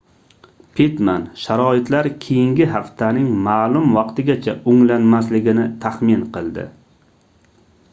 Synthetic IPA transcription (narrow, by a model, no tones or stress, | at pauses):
pʰit̪manʃaɾɒɪt̪laɾkʲʰejɪŋɡʲɪɦaft̪ʰanɪŋmaːlˠʊmvɑqt̪ɪɡʲat͡ʃʰaʊŋlanmaslɪɡʲɪnɪt̪ʰahmɪnqʰɨlˠd̪ɪ̰